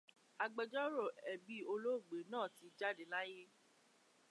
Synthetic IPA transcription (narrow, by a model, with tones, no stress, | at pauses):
a˧ɡ͡bɛ˧d͡ʒɔ˦ɾo˦˨ɛ˨bi˨˦o˧lo˦˨ɡ͡be˨˦nãː˦˨ti˨˧d͡ʒa˦de˨la˦je˦